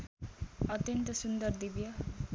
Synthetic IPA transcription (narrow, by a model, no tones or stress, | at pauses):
ʌt̪jʌnt̪ʌsund̪ʌrd̪ibjʌ